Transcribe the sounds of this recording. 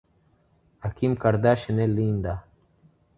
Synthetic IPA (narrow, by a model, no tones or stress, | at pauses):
ɐkimkɐɾd̪aːɕɐneliːnd̪a